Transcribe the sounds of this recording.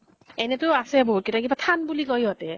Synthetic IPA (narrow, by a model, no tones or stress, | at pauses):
ɛnɛtʊasɛboɦut̚kitakibatʰanbulikojɔtɛ